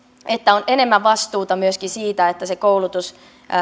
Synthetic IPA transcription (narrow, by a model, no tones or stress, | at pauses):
et̪ːæonʔene̞mːæʋʋɑst̪uːt̪ɑmyøskisiːt̪æet̪ːæsekoulut̪us